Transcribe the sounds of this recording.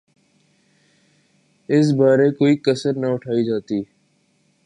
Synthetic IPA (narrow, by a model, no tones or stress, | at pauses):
ɪs̬baːɾekoːiːkəsəɾnəʊʈʰaːid͡ʒaːt̪iː